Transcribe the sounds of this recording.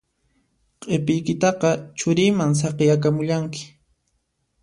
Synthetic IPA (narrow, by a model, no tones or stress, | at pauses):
qʼepɪjkɪt̪ɑqɑt͡ʃʊɾɪjmaŋs̬ɑqɪjakamʊʎaŋkɪ̥